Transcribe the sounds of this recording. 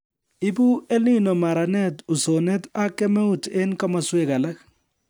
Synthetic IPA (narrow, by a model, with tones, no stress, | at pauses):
i˦bu˦e˦li˦nɔ˨ma˨ɾa˨nɛ˦tu˨sɔ˨nɛ˦ta˦kɛ˦me˦u˨tʰe˦n˦ka˦ma˨swɛ˦˨ka˨la˦k